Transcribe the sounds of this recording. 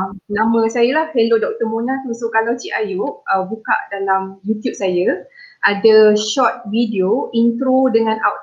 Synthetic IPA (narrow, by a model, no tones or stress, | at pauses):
mnãmə̃sajalahfelodɔk̚t̪əmunat̪əmasʊʔkalawt͡ʃiʔajuʔəbuka̰ʔdalamjut̪jup̚saja | ʔadaʃɔt̪̚vidioint̪ɾodəŋãna̰wt̪